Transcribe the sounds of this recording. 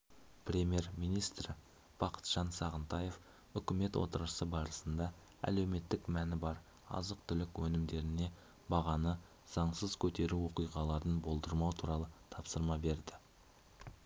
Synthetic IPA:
pɾʲe̞mʲje̞ɾmijnijst̪r | b̥ɑqʰə̥t̪ʒ̥ɑnsɑʁənt̪ɑje̞f | ʏkʲɪme̞t̪wʔo̰t̪əɾəsəbɑɾəsənd̪ɑ | æ̰le̞wme̞t̪ːɪkmænɪbɑɾ | ɑ̰zəq̚t̪ʰʏlɪkwɵnɪmd̪e̞ɾɪne̞ | bɑʁɑnə | z̥ɑɴsəzkʲʰɵt̪e̞ɾuwo̞qijʁɑlˠɑɾənbo̞lˠd̪əɾmɑwt̪ʰuɾɑlˠət̪ʰɑpsəɾmɑbe̞ɾd̪ɪ

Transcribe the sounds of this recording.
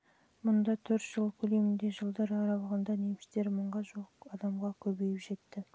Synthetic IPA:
mʊnd̪ɑt̪ʰɵɾt̪ʒ̥əlˠkʲʰɵle̞mɪnd̪e̞ʒəlˠd̪ɑɾɑɾɑwˠəʁənd̪ɑnemɪst̪e̞ɾməɴʁɑʒoqɑd̪ɑmʁɑkʲʰɵbe̞jɪpʒe̞t̪ːɪ

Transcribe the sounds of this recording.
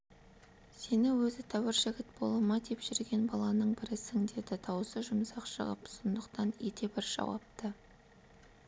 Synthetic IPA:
se̞nɪŋwɵzɪt̪ʰɑwɪɾʒɪɡʲɪt̪bo̞̰lˠəmɑd̪e̞pʒ̥ʏɾɡʲe̞nbɑlˠɑnəɴbɪɾɪsɪŋd̪e̞d̪ɪt̪ʰɑwsəʒʊmsɑqʃə̰ʁəpsond̪əqt̪ɑnjet̪e̞bɪɾʒ̥ɑ̰wɑ̰p̚t̪ə

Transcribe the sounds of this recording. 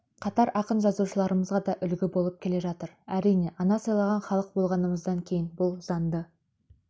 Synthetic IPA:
qʰɑt̪ɑɾʔɑqənʒɑzuʃəlˠɑɾəməzʁɑd̪ɑʔʏlɡʲɪbo̞lˠəp̚kʲʰele̞ʒɑt̪əɾæɾijne̞ʔɑnɑsɑjlˠɑʁɑnχɑlˠəq̚bo̞lˠʁɑnəməzd̪ɑŋkʲʰe̞jɪnbʊlˠzɑnd̪ə

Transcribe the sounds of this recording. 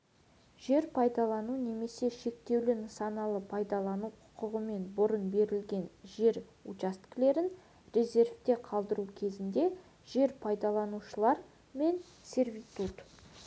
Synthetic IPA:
ʒe̞ɾpʰɑjd̪ɑlˠɑnune̞me̞se̞ʃe̞kt̪e̞wlɪnəsɑnɑlˠəpʰɑjd̪ɑlˠɑnuqʰʊ̥qəʁəme̞nbʊɾənbe̞ɾɪlɡʲe̞nʒe̞ɾ | ut͡ʃast̪kle̞ɾɪn | rʲe̞zʲe̞rft̪e̞qʰɑlˠd̪əɾukʲʰe̞zɪnd̪e̞ | ʒ̥e̞ɾpʰɑjd̪ɑlˠɑnuʃəlˠɑɾ | me̞n | sʲe̞rvʲit̪ut̪

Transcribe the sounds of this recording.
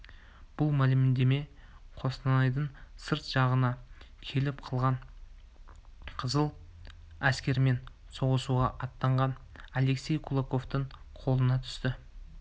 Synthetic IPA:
b̥ʊlˠmælɪmɪnd̪e̞me̞qʰo̞st̪ɑnɑjd̪əɴsəɾt̪ʒ̥ɑʁənɑ | kʲʰe̞lɪp̚qʰəlˠʁɑɴ | qʰəzəlˠ | æskʲe̞ɾme̞n | so̞ʁəsuʁɑʔɑt̪ːɑɴʁɑnale̞kse̞jkʰulˠako̞ft̪əɴ | qʰo̞lˠənɑt̪ʰʏ̥st̪ɪ

